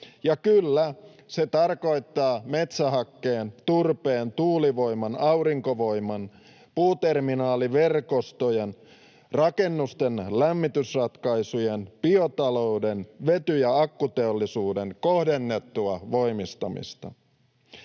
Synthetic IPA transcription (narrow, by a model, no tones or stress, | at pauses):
jɑkylːæ | se̞t̪ɑrko̞jt̪ːɑːme̞t̪sæɦɑkːeːnt̪urpeːnt̪uːliʋo̞imɑnɑwɾiŋkoʋo̞jmɑn | puːt̪erminɑːliʋe̞rkost̪ojen | rɑke̞nːust̪enlæmːit̪ysrɑt̪kɑisujenpiot̪ɑlo̞udenʋe̞t̪yjɑɑkːut̪e̞olːisuːdeŋko̞hde̞nːe̞t̪ːuɑʋo̞imist̪ɑmḭst̪ɑ̰